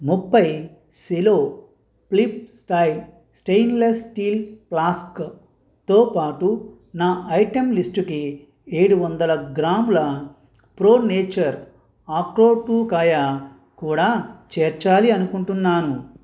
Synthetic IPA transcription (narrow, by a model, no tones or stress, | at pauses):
mupːɐj | siloː | plip̚sʈɐjl | sʈejnlesʈiːlplaːsk | t̪o̞ːpaːʈu | naːʔɐjʈemlisʈuki | e̞ːɽuʋɐnd̪ɐlɐɡɾaːmulɐ | pɾoːneːt͡ʃɐɾ | aːkloːʈuːkaːjɐ | kuːɽaːt͡ʃɛːɾt͡ʃaːliɐnukuɳʈunːaːnu